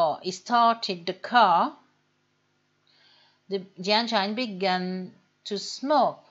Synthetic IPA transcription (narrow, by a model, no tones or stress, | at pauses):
istʰaːʈʰɪɖ̚d̪əkʰa | d̪əd͡ʒãnt͡ʃãɪ̃nbiɡæ̃n | tʰusmoːk̚